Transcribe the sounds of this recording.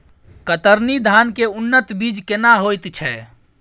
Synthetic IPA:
kət̪əɾnid̪ʱankeunːət̪bid͡ʒkenaɦojt̪t͡ʃʰɛ

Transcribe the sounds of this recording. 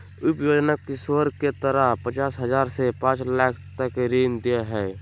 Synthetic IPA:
ʊpjoːd͡ʒnakɪswəɾket̪əɾəɦpət͡ʃaːsɦəzaːɾsepãːt͡ʃlaːkʰt̪əkɾiːnd̪ieɦɛː

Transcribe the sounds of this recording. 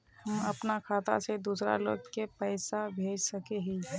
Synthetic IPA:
hɐmɐpnakʰaːt̪a̰sed̪uːsɾa̰lo̰ːɡkepəɪsabʱeːd͡ʒsəkeɦiɦɛ̃

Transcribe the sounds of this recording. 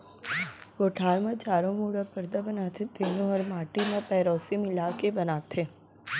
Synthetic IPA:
ɡoːʈʰaːɾmẽt͡ʃaːɾõmuːɽapəɾd̪abɐnaːt̪ʰẽt̪enõɔːɾmaːʈimẽpɛːɾɔːsimɪlaːkebɐnaːt̪ʰe

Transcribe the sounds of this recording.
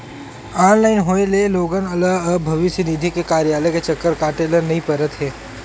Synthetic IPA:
aːnlaːɪnɦoːeleloːɡənɐləɡəbʱɐʋɪʃjənid̪ʱikekaːɾjaːləket͡ʃɐkːəɾkaːʈelənɐɦĩpɐɾət̪ɦɛː

